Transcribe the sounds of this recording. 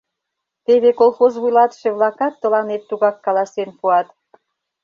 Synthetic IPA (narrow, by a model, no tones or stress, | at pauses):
t̪eβekolˠxozβujlɑt̪ʃeβlɑkɑt̪ːəlɑnet̪ːuɣɑkːɑlɑsenpuɑt̪